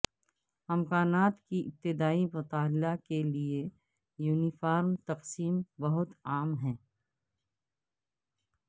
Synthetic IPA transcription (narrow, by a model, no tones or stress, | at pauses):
ɐmkaːnaːt̪kiʔɪp̚t̪ɪd̪aːimʊt̪aːllakelie | juːnifaːɾmt̪ɐqsiːmbɐɦʊt̪aːmɦɛ̃ː